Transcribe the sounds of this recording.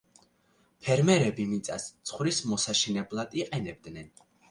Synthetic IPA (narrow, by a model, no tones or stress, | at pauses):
pʰɛɾmɛɾɛbimit̪sʼa̰st̪sʰχwɾismɔsaʃɛnɛblˠad̪̥iqʼɛnɛb̚d̪nɛn